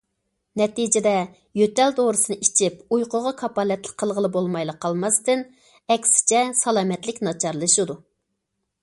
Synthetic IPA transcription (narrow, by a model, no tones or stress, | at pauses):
nɛt̪id͡ʒɪd̪ɛ | jøt̪ɛld̪oɾɨsɨnɨit͡ʃʰipujqʰʊʁɑkʰɑpɑːlɛt̪lə̥k̚qʰːəlˠʁəlˠɨbolˠmɑjlˠəqʰːɑlˠmɑst̪ɨn | ɛkʲsɪ̥t͡ʃʰɛsɑlˠɑːmɛt̪lɪkʲnɑt͡ʃʰɑɾlˠɨʃɨd̪u